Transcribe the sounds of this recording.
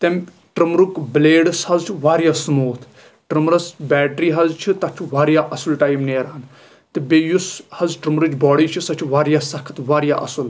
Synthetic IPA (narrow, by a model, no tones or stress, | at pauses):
t̪em | ʈɾɨmɾukbleːɖshɐzt͡ʃʰiʋaːɾjasmuːt̪ʰ | ʈɾɨmɾɐsbʲɛːʈɾiːɦɐzt͡ʃʰit̪ɐt͡ʃʰiʋaːɾjaʔɐsulʈaːjmneːɾaːn | t̪ɨbejushɐzʈɾɨmɾɨt͡ʃbɔːɽiːt͡ʃʰisɐt͡ʃʰiʋaːɾjaːsɐkʰt̪ʋaːɾjaʔɐ̰sul